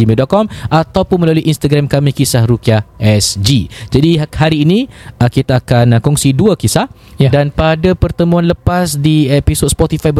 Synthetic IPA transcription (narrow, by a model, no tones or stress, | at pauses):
imedɔʔ̪̚kɔmʔat̪awpʊnmə̃laluiʔinst̪aɡɾamkamĩkisahɾukiaʔɛsd͡ʒid͡ʒadihaɾiːnĩəkit̪aːkankɔŋsiduakisah | danpadapərt̪əmũãnləpasdiepisot̪̚spɔt̪ifajb